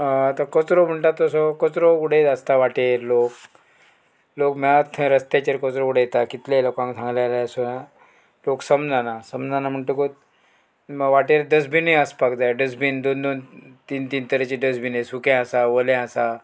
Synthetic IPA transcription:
t̪akət͡sɾom̤əɳʈat̪ːɔsɔkət͡sɾokuɽ̤et̪əst̪aʋaʈeɾlok | lokmat̪ʰɾəst̪jat͡ɕeɾkət͡sɾokuɽ̤ejet̪akit̪lelokãŋsãŋɡlalasoja | loksəmd͡zanasəmd͡zanam̤əɳʈukot̪̚ | məʋaʈeɾɖəs̬bʱiniəspakd͡zajɖəs̬bind̪ond̪ont̪iːnt̪iːnt̪əɾet͡ɕiɖəs̬binesukɛ̃əsaʋəlẽasa

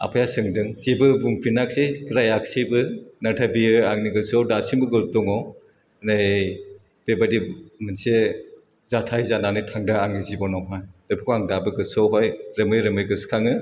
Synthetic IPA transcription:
a̰pʰajasɯŋdɯŋzibɯbuŋpʰinak̚sekɾajak̚sijbɯnatʰabiɯaŋniɡɯsɔwdasimbɯɡɯltɔŋɔ | naj | b̥ebadimɯnse | zatʰajzananɯjtʰaŋdaaŋizibɔnɔɦajɔjbʰukʰaŋdabɯɡɯsɔwɦɔjɾɯmɯjɾɯmɯjɡɯskʰaŋɯ

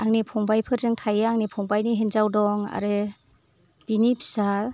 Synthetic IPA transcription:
aŋnipʰɔŋbajpʰɯɾdɯŋtʰajaŋnipʰɔŋbajniɦenzawdɔŋa̰ɾɯ | b̥inipʰsal

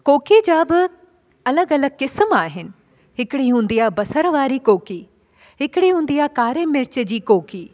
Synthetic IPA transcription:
koːked͡ʑaːbɪ | ɐləɡɐləɡ̚kɪsəmaːɦɪnɪ̆ | ɦɪkɪɽiɦũːn̆d̪ijabɐsəɾʋaːɾikoːkiː | ɦɪkɪɽiɦũːn̆d̪ijakaːɾemɪɾt͡ɕəd͡ʑiːkoːkʰiː

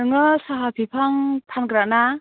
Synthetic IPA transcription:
ɯŋɯsaɦapʰipʰaŋt̪ʰankɾaʔna

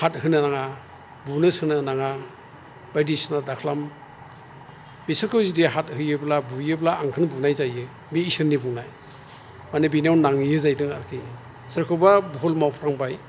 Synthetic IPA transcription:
hat̚hɯnanaŋa | bunɯsɯnɯnaŋa | b̥ajdisnadakʰlam | bisɯɾkʰɯwzideɦat̚hɯjɯblabujɯblaːŋkʰɯnbunajzajɯ | bisɯnːibunaj | manebinawnnaŋijɯzajdɯŋa̰ɾkʰi | sɯɾkʰɯbabuɦɔlmawpʰɾaŋbaj

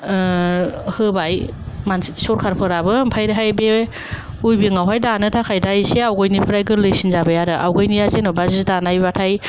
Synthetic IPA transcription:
hɯbaj | mansɔɾkʰaɾpʰɯɾabɯmpʰajɾɦajbe | ujbiŋawɦajdanɯtʰakʰajdajseawɡɯjnipʰɯɾajɡɯlɯjsinzabɯjaɾɯʔa̰wɡɯjnijazenɯbazidanajbatʰaj

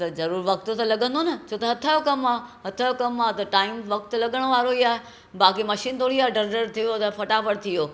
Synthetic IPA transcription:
t̪ɐzɐɾuːɾʋɐkt̪ot̪ɐlɐɠə̃nd̪onɐt͡ɕʰoːt̪ɐɦɐt̪ʰajokɐmaːɦɐt̪ʰajokɐmaːt̪ɐʈaːɪmʋɐk̚t̪lɐɠəɽ̃ʋaːɾoijaːɦe | baːkimɐʃiːnt̪oːɽiaːɦeɖəɾɖəɾt̪ʰijot̪ɐfɐʈapɐɽt̪ʰijoː

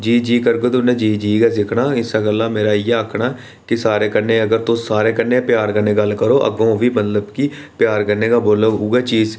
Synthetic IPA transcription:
d͡ʒiːd͡ʒiːkəɾɡoːd̪ʊnẽːd͡ʒiːd͡ʒiːɡaːsɪkʰɽaːɪsaːɡəlːaːmeːɾaːɪjeəːkʰɽaː | kɪsaːɾeːkəɾneːəɡəɾt̪õːsaːɾeːkəɾneːpjaːɾkəɾneːɡəlkəɾoːʔə̰ɡõːʋiːməd̪ləbkiː | pɪjaːɾkəɾneːɡaːboːloːuːɡɛːt͡ʃiːz

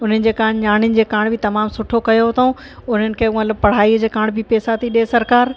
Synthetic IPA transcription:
ʊn̤ənɪ̆d͡ʑeːkaːɽ̃ɲaːɽ̃ɪnɪ̆d͡ʑeːkaːɽ̃bʱɪt̪ɐmaːmsʊʈʰokɐjoɦot̪ʰoũ | ʊn̤ənɪ̆kʰeːumɐt̪ləbpɐɽ̤aːiəd͡ʑeːkaːɽ̃bʱipeːsat̪ʰiɗiesɐɾkaːɾ

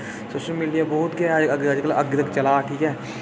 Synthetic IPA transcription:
soːʃəlmiːɖijabɔɦʊt̪ɡjad͡ʒɡad͡ʒkələɡt̪əkt͡ʃɐlaːʈʰiːkɦɛː

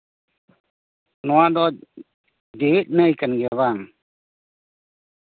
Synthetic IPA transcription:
nɔwad̪ɔ | d͡ʒeːt̪̚ˀnəjkanɡɛβaŋ

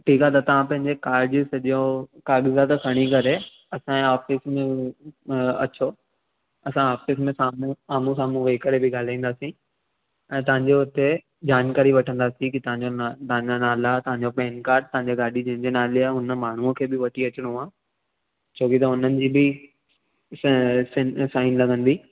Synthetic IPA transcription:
ʈʰiːkat̪ɐt̪ɐʋ̤ãpɐ̃ɦɪ̃ɲd͡ʑekaːɾɖd͡ʑisɐʄokaːɠɪzat̪ɐkʰɐɽ̃ikɐɾe | ɐsãaːfɪsmẽ | ɐ̰t͡ɕʰo | ɐsãaːfɪs̬mẽsaːmũaːmũsaːmũʋeːkɐɾebɪɡaːl̤aːĩːnd̪aːsĩ | ɛ̃ːt̪̬ɐʋ̤ãɲd͡ʑeʊt̪e | d͡ʑaːnkaːɾiʋɐʈʰə̃nd̪aːsĩkit̪ɐʋ̤ãɲd͡ʑot̪ɐɦãɲd͡ʑanaːlat̪ɐɦãɲd͡ʑopɛ̃ːnkaːɾʈ̚t̪ɐ̃ɦãɲd͡ʑeɡaːɗid͡ʑɐ̃ɦɪ̃ɲd͡ʑenaːleaʊnəmaːɳ̤̃uə̃kʰeːbɪʋɐʈʰiɐt͡ɕɪɽ̃oãː | t͡ɕʰoːkit̪̬ɐʊnənɪ̆d͡ʑiːbɪ | ssaːɪnlɐɡə̃nd̪iː

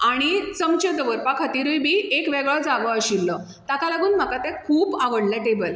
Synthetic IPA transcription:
aɽ̃it͡səmt͡ɕəd̪əʋəɾpakʰət̪iɾujbʱiːekʋeɡɭəd͡zaʋəəɕilːə | t̪akalaɡuːnm̤akat̪ɛkʰuːbaɡəɽlɛʈebəl

